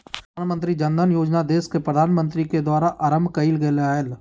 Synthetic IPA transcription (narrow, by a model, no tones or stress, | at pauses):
aːnmə̃nt̪ɾid͡ʒɐ̃nd̪ənjoːd͡ʒnad̪eːskepɾəd̪ʱaːnmə̃nt̪ɾiked̪waːɾaʔaɾəmbʱkɐilɡəleaːel